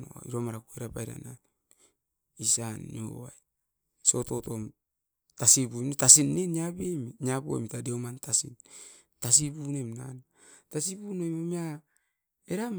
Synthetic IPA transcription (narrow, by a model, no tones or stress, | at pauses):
o̰ḭɾomaɾakueɾapajɾa̰na̰ | isanːio̰wa̰j | so̞to̞tom | tasibumtasinːeniabemiɲaboḛmitadeomantasḭn | tas̬ibunemna̰n | tasibunemomia | eɾam